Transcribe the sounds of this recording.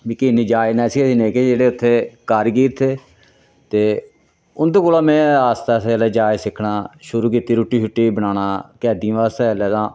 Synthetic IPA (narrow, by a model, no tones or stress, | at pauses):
biːkiːniːd͡ʒaːenɛ̃ːsiːɛsiːneːkeːd͡ʒeːɽeːʊt̪ʰːeːkaːɾɡiːɾt̪ʰeː | t̪eː | ʊnd̪eːkoːlãːmɛ̃ːaːst̪aːselɛːd͡ʒaːesɪkʰɳaːʃʊɾuːkiːt̪iːɾuːʈːiːʃʊʈːiːbənaːnaːkɛːd̪ĩãːʋaːst̪ɛːlɛːt̪ãː